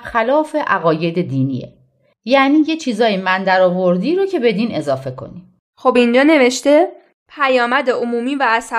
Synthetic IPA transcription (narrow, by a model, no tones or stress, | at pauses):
xælɒːfe̞ʔæɣɒːje̞d̪e̞d̪iːnḭḛ | jæʔniːjet͡ʃʰiːzɒːjimænd̪æɾɒːvo̞ɾd̪iːɾocʰe̞be̞d̪iːne̞zɒːfe̞kʰo̞̰ni | xobind͡ʒɒːne̞ve̞ʃt̪e̞ | pʰæjɒːmæd̪e̞omuːmiːvæːsæ